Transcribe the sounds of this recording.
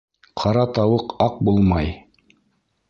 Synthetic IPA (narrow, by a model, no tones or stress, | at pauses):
qʰɑɾɑt̪ɑwɤqɑq̚bulˠmɑj